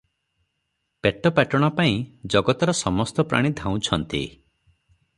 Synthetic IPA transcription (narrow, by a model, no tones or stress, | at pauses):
peʈɔpaʈɔɽ̃ɔpaĩd͡ʒɔɡɔt̪ɔɾɔsɔmɔst̪ɔpɾa̰ɽ̃id̪ʱãw̃t͡ʃʰɔnt̪ḭ